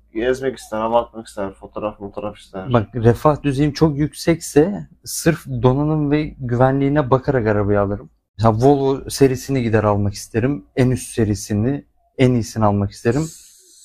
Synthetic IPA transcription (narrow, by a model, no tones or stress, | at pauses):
jɛzmɛki̥st̪ʰæɾaβat̪̚maki̥st̪ʰæɾfo̞t̪ʰoɾaffot̪ʰoɾafi̥st̪ʰæɾbak̚ɾefahd̪yzejimt͡ʃʰo̞kjycsɛcsɛ | sɯɾfd̪o̞nanɯmvɛɟyvænlʲiːnɛbakʰaɾakaɾabajalˠɯɾɯm | mɛseavolˠose̞ɾiːsiniɟid̪æɾalˠmaki̥st̪ʰe̞ɾimænyst̪se̞ɾisini | ænijsinalˠmaki̥st̪e̞ɾim